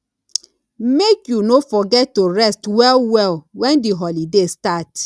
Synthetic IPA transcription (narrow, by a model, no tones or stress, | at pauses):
mekjunofɔɡɛtːoɹɛstwɛlwɛlwɛ̃ndiɦɔlidestat